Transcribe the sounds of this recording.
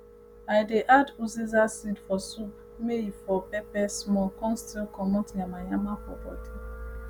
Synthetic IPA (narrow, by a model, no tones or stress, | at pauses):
ajdeʔaduzizasidfɔsup | meifɔpɛpɛsmɔkɔ̃nstilkɔmɔtamajamapɔ̰pɔ̰ti